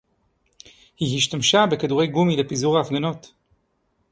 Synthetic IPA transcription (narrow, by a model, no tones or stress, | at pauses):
hiɦiʃtamʃabe̞kaduʁe̞jɡumilepizuʁaːfɡanot